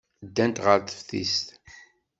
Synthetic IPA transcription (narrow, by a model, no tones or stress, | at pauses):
d̪ːænt̪ʁəɾθə̥fθḭst̪